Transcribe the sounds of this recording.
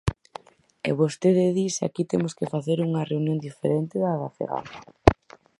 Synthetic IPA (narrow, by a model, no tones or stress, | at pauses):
ḛβost̪eðeðisa̰kit̪emoskefaθeɾuŋɐreunjõnd̪ifḛɾent̪ɪðaɣaθḛɣa̰na